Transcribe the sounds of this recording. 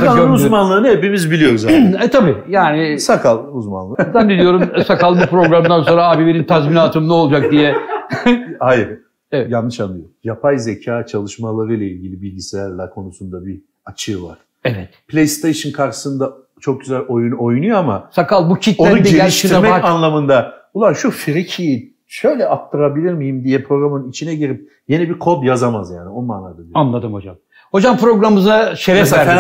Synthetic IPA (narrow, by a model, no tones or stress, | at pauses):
aanuzmanlˠɯːnɯepimizbilʲijo̞ɾuzɛt̪ʰabiːjaːnɪsakʰalˠuzma̰nlˠɯd̪ænd̪inʲijo̞ɾummsakalˠmɯpɾo̞ɡɾamd̪anso̞nɾaaːbibe̞nint̪ʰazminaːt̪ʰɯmlˠɯo̞lˠd͡ʒak̚d̪ijɛ | hajɾ | evɛjanːɯʃamd̪ijojapʰajze̞cʰaːt͡ʃʰalˠɯʃmalˠaɾɯjlˠailʲɟilʲibilʲɟiselʲæɾlʲækʰo̞nusund̪abi | at͡ʃʰɯːva̰ɾ̥ | ɛvɛt̪pʰlʲejst̪ʰejʃɯnkʰaɾʃɯ̥sɯnd̪a | t͡ʃʰo̞k̚ɟyzælʲojuno̞jnujoamasakalˠbucʰit̪oænuɟelʲiʃt̪ʰiɾmɛanlˠamɯnd̪abulˠanʃufiɾicʰiji | ʃø̞jlʲɛʔap̚t̪ʰaɾabilʲiɾmijimd̪ijɛpʰɾo̞ɡɾamɯnnit͡ʃʰinɛɟiɾip̚ | je̞nɛbiɾkʰo̞d̪jazamazjaːnio̞nːˠanˠad̪ɯd̪ianlˠad̪ɯmho̞d͡ʒam | ho̞d͡ʒampɾo̞ɡɾamɯzaʃevɛs